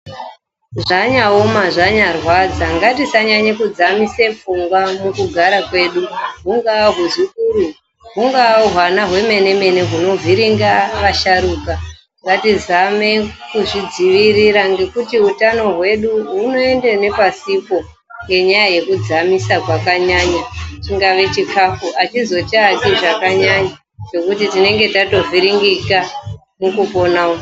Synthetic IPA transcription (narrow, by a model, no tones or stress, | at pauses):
ʐaɲaomaʐaɲarwad͡zaŋɡatisaɲaɲekud͡zamise̞fuŋɡwamukuɡʱaɾakwe̞ːɗuɦuŋɡaɦuzikuːɾu | ɦuŋɡaɦwanaɦwe̞me̞ne̞me̞ne̞ɦuno̞viɾiŋɡaʋaʃaɾuːka | ŋɡatizame̞kuʐid͡ziʋiɾiɾaŋɡe̞kutiɦutano̞ɦwe̞ɗuɦuno̞e̞ndene̞pasipo̞ | ŋɡe̞ɲajaje̞kud͡zamisakwakaɲaɲatiŋɡaʋe̞t͡ʃikʰafuʔat͡ʃizo̞t͡ʃakiʐakaɲaɲa | t͡ʃe̞kutitine̞ŋɡe̞tato̞vʱiɾiŋɡika | mukupo̞nao